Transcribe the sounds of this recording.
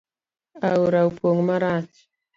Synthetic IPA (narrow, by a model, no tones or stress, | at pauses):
auɾaupoŋmaɾas